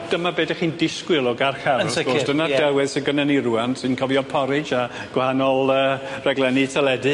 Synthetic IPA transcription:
d̥əmabeːdaχiːndɪskwɪlˠɔɡarxaɾəɡosd̥ənadɛwɪðsəɡənəniruantsɨnkʰɔvjɔpʰɔɾɨd͡ʒa | ɡ̥wahanɔlˠəːrɛɡlˠɛnɨtʰɛlˠɛdɨ

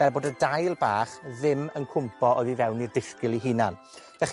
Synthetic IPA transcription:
b̥ɛrboːdədajlˠbaːχðɪmənkʰʊmpʰɔoɨðivɛwnirdɪskɪlˠiɦinan | vɛχ

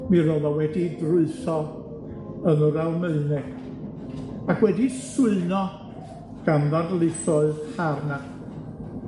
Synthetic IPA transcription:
miɾoðɔwɛdidrʊɨθɔ | ənəɾalˠmeɨnɛ | akʰwɛdisʊɨnɔ | ɡ̥anðarlˠɪθɔɨðharna

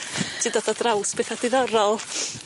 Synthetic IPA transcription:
tʰɨdɔðɔdrawsb̥eːθad̥ɪðɔɾɔlˠ

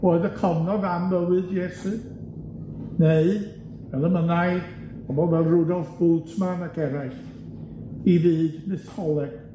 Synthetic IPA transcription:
roːɨðəkʰɔvnɔðamːəwɨdjɛsɨ | neɨ | ɛlˠəmənaj | ɔbɔvɛlˠrʊdɔlˠθb̥ʊlˠtʰmanakʰɛɾajχ | iviːdmɨθhɔlˠɛɡ̥̚

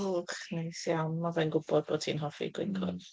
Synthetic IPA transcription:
χnejsjawnmavɛnɡʊbɔd̚boːdsʰḭnɦɔfḭɡwɪ̰nkʰɔ̰d

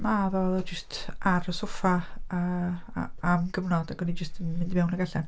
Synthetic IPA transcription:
mavɛɔðˠɔd͡ʒəstʰaɾəsʊfaə̰ | amɡəvnɔdaɡɔnid͡ʒəstʰmɪndmɛwnəɡaɬan

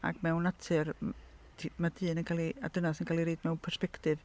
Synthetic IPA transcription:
a̰ɡ̥mɛwnatʰɨrtʰmadɨːnənkʰaːlˠia̰d̥ənasənkʰaːlˠiɾejdmɛwnpʰɛrspɛktɨv

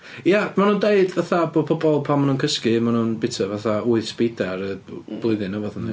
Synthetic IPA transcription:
jamanundeɨdvaθabopʰɔbɔlˠpʰamanuːnkʰəskɨmanunbɪtʰəvaθauɨθb̥idaɾəb̥lˠʊɨðɨnavɔðəni

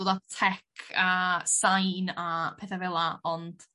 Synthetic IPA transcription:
odatʰɛkʰəsajnapʰɛθavɛlˠaɔnd̥

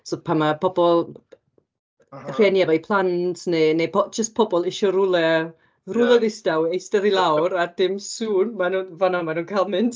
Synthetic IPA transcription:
sopʰamapʰɔbɔlˠ | ərɛnjavajpʰlˠantʰnenepɔd͡ʒəst̚pʰɔbɔlˠɪʃɔɾʊlɛ | rʊlˠɛðɪsd̥awejstɛðilˠawɾad̥ɪmsuːnmanuːnvanɔmanuːnkʰajlˠmɪnd

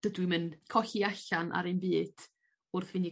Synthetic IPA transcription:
ədwɪmɨnkʰɔɬiaɬanʔa̰ɾenbiːd̥ | ʊrθvɪni

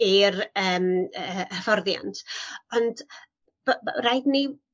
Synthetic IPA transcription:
irəːməəfɔrðja̰ntʰɔnd̥ | brajdni

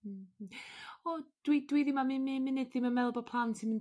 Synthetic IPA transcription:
ɔd̥wid̥wiðɪmamɪmɪmɪnɨdðɪməmɛlˠbɔpʰlˠawntʰimən

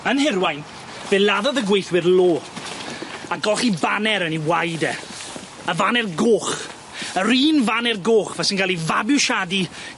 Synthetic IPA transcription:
ənhɪɾwajn | v̥elˠaðɔðəɡwejθwɪrloː | aɡɔχibanɛɾəniwajdɛ̰ | əvanɛrɡoːχ | əɾiːnvanɛrɡoːχvɛsɪnɡalˠivabʊʃadi

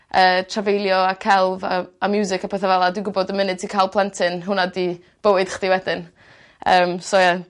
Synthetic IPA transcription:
əːtʰravejlˠjɔakʰɛlˠvaamjuːzɪkapʰɛθɛvɛlˠadwɪɡʊbɔdəmɪnɨ̥tʰikʰajlˠpʰlˠɛntʰɨnɦʊnadi | b̥əwɨd̥χd̥iwɛdɪn | əːmsoja

